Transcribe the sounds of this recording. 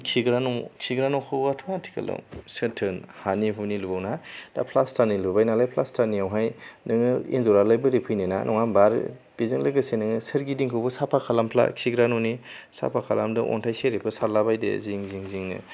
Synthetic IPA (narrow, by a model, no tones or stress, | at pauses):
kʰiɡɾanɔkʰiɡɾanɔwkʰɯatʰɔŋatʰi̥ka̰lɯ̰wsɯtʰɯnhaniɦunilubawnad̥a̰pʰlastʰanilubajnalajpʰlastʰaniawɦajnɯŋɯḭnzɔɾalajbɯɾipʰɯjnena̰nʔɔŋambaɾbizɯŋlɯɡɯsenɯŋɯsɯɾɡidiŋkʰɯwbɯsapʰakʰalampʰla̰kʰiɡɾanɔni | sa̰pʰakʰalamdɯʔɔ̰ntʰajseɾepʰɯsalabajdḛziŋziŋziŋnɯ̰